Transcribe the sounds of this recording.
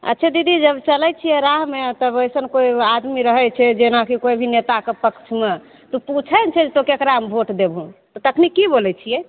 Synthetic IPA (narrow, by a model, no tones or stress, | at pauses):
ə̰t̪ːʃʰɛd̪id̪id͡ʒəbt͡ʃəlɛt͡ʃʰijɛɾaɦmet̪əbəjsənkoiad̪miɾəɦɛt͡ʃʰɛd͡ʒenakikojbʱinet̪akepəkt͡ʃʰme | t̪uput͡ʃʰɛnt͡ʃʰɛd͡ʒet̪okekɾaəmbʱoʈd̪ebʱɦũt̪ɔt̪əkʰnikibolɛt͡ʃʰijɛ